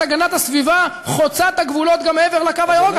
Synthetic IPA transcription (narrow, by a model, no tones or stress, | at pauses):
aɡanat̪hasviva | χot͡sat̪aɡvulo̞t̪ɡameeveʁlakavajaʁoɡ